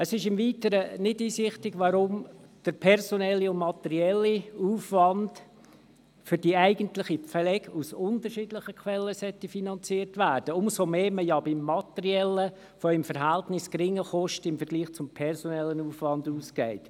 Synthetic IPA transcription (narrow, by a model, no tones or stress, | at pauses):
əsɪʃɪmviːtəɾənɪdiːsɪχtɪɡʋɑɾʊmd̥əɾpʰɛrsonɛlːiʊnmɑt̪ɛɾiɛlːiuːfʋɑnd | fʏɾdiæɪɡəntlɪχifɛlɛɡusʊntəɾʃiːdlɪχəkʰʋɛlːəsœtːifinɑnt͡siːəɾtʋæːɾd̥əʊmsomeːməjɑbɪmːɑtɛɾiɛlːə | fɔɪmfəɾɦæltnɪskɾɪŋːəχɔʃtəɪmfəɾɡ̥liːχt͡sʊmpʰɛɾsonɛlːənuːfʋɑnduːskɛɪt